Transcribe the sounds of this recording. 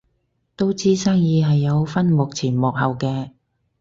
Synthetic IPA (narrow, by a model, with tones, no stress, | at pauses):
t̪o˥wt͡siː˥saː˥ŋjiː˨˧ɦɐ˨jːɐ˨˧wfɐ˥nmo˨k̚t͡sʰiː˨˩nmɔː˨k̚hɐ˨wkɛː˧